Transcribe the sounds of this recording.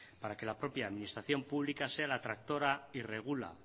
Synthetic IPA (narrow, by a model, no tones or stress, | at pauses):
paɾake̞lapɾo̞pjaðminist̪ɾaθjo̞mpuβlikase̞alaːt̪ɾak̚t̪o̞ɾaire̞ɣ̞ula̰